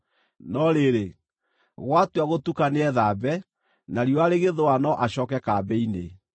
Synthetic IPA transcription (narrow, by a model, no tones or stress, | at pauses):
nɔɾeɾe | ɣwatwaɣotukaneɛðabɛ | naɾioaɾeɣeðoanɔʔaɕɔːkɛkabɛinḛ